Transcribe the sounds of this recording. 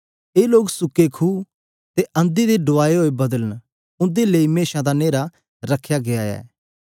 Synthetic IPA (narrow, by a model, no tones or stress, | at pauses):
eːloːɡsʊkːekʰuː | t̪eɐ̃nd̪id̪eɖoaːeɦoːebɐd̪ələn | ʊ̃nd̪eleːimeːʃãd̪aneːɾa | ɾɐkʰjaɡeaːja̰ɛ̰